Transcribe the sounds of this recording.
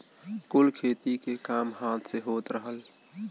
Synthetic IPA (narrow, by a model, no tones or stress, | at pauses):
kulkʰeːt̪ikekamɦaːt̪ʰseɦoːt̪ɾəɦəl